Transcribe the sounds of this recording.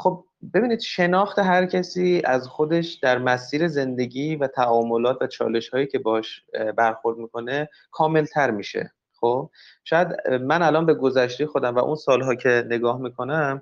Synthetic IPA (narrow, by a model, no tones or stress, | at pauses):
xob̚ | be̞biːniːd̪̥ʃe̞nɒːxt̪ʰe̞ɦæɾcʰæsiːæzxod̪e̞ʃd̪̥æɾmæsiːɾe̞ze̞nd̪e̞ɟiːvæt̪ʰæʔɒːmolɒːt̪ʰvæt͡ʃʰɒ̰ːle̞ʃhɒːjiːcʰe̞bɒhɒʃbæɾxoɾd̪̚miːkʰo̞ne̞ | kʰɒːme̞lt̪ʰæɾmiːʃḛ | xoːb̚ | ʃɒːjæd̪mænælɒːnbe̞ɡo̞zæʃt̪ejexo̞d̪æmvæʔṵnsɒːlɦɒːcʰe̞ne̞ɡɒːhmiːkʰo̞næm